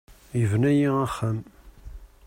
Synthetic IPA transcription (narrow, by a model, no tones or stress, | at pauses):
jəvnæjiæχːəm